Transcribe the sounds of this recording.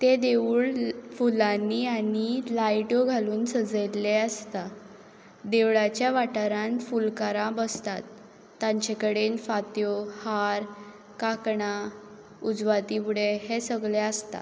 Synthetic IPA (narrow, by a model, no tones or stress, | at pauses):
t̪ed̪eʋuɭfulanːiːanilajʈoɡʱaluːnsəd͡zəlːeəst̪a | d̪eʋɭat͡ɕjaʋaʈaɾãnfulkaɾãbəst̪a̰t̪ː | ãɲt͡ɕekəɽenfat̪johaɾ | kakɳa | ud͡zʋat̪ipuɽeɦesəɡleəst̪a̰